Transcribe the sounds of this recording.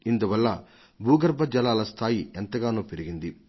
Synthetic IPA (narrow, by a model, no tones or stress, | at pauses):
ind̪uʋɐlːɐ | bʱuːɡɐɾbʱɐd͡ʒɐlaːlɐst̪ʰaːjiɛnt̪ɐɡaːnuːpeɾiɡind̪i